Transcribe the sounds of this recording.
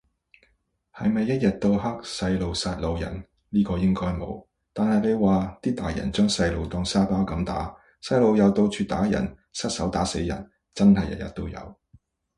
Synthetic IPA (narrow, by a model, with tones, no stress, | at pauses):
hɐ˨jmɐ˨jːɐ˥t̚jɐ˨t̚t̪o˧wɦɐ˥k̚sɐ˧jlo˨wsaː˧t̚lo˨˧wjɐ̰˨˩n | liː˥kɔː˧jɪ˥ŋkɔː˥jmo̰˨˧w | t̪aː˨nhɐ˨jle˨˧waː˨t̪iː˥t̪aː˨jɐ̰˨˩nt͡ʃœː˥ŋsɐ˧jlo˨wt̪ɔː˧ŋsaː˥paː˥wkɐ˨˧mt̪a̰ː˨˥ | sɐ˧jlo˨˧wjɐ˨˧wt̪o˧wt͡ʃʰyː˧t̪aː˨˥jɐ̰˨˩n | sɐ˥t̚sɐ˨˥wt̪aː˨˥se˨˥jːɐ̰˨˩n | t͡sɐ˥nhɐ˨jɐ̰˨t̚jɐ̰˨t̚t̪o˥wjɐ̰˨˧w